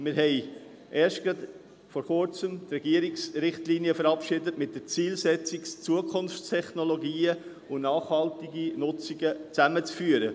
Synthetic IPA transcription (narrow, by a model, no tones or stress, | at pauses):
mɪɾɦɛɪ | ʔɛːɾʃtɡ̥ɾɑd̪ | fɔɾχʊɾt͡səmt̪ɾɛɡiəɾiksɾɪχtliːniəfəɾɑpʃɪdətmɪt̚d̥ət͡siːlsɛt͡sɪkst͡suəkʰʊnft͡stʰɛχnoloɡiːə | ʊnɑːχhɑltɪɡinʊt͡siɡət͡sæmət͡sfyːəɾə